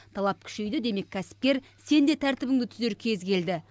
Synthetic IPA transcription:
t̪ʰɑlˠɑp̚kʲʰʏ̥ʃe̞jd̪ɪd̪e̞me̞kʲʰːæsɪ̥p̚kʲe̞ɾ | se̞nd̪e̞t̪ʰæɾt̪ɪbɪŋd̪ɪt̪ʰʏze̞ɾkʲʰe̞zkʲʰe̞ld̪ɪ

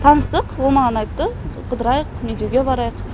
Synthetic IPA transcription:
t̪ʰɑnəst̪əqwolˠmɑʁɑnɑjt̪ːəqʰəd̪əɾɑjəqmed̪jeɡʲebɑɾɑjəq

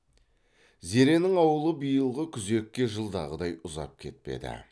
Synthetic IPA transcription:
ze̞ɾe̞nɪŋɑwəlˠəbijəlˠʁəkʲʰʏze̞kʲːe̞ʒəlˠd̪ɑ̰ʁəd̪ɑjʊzɑ̰p̚kʲʰe̞̰t̪̚pe̞̰d̪ɪ̰

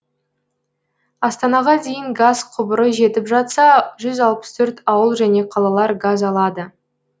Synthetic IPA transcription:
ɑst̪ɑnɑʁɑd̪e̞jɪŋɡazqʰʊbəɾəʒe̞t̪ɪpʒɑt̪sɑʒʏzɑlˠpə̥st̪ʰɵɾt̪ɑwəlˠʒæne̞qʰɑlˠɑlˠɑɾɡazɑlˠɑd̪ə

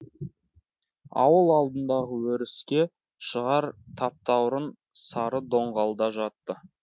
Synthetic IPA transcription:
ɑ̰wəlˠɑlˠd̪ənd̪ɑʁəwɵɾɪskʲe̞ | ʃəʁɑɾt̪ʰɑp̚t̪ɑwɾən | sɑɾəd̪o̞ɴʁɑlˠd̪ɑʒɑt̪ːə

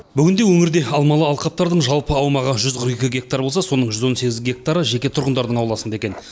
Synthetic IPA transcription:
bʏɡʲɪnd̪e̞wɵŋɪɾd̪e̞ɑlˠmɑlˠəɑlˠqɑp̚t̪ɑɾd̪əɴʒɑlˠpəɑwmɑʁəʒʏzqʰəɾjekʲɪɡʲe̞k̚t̪aɾbo̞lˠsɑso̞nəɴʒʏzwo̞nse̞ɡʲɪzɡʲe̞k̚t̪aɾəʒe̞kʲe̞t̪ʰʊɾʁənd̪ɑɾd̪əɴɑwlˠɑsənd̪ɑe̞kʲe̞n

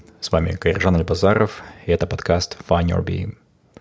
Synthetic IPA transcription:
svamʲɪ̰kəɪrʐanɐlʲbɐzaɾəfɪɛt̪əpɐt̪kast̪fanʲɔ̰rbʲḭḭ

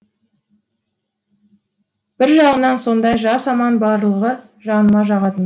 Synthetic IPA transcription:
b̥ɪɾʒɑʁənɑnso̞nd̪ɑjʒɑsɑmɑnbɑɾlˠəʁə | ʒɑnəmɑʒɑʁɑt̪ən

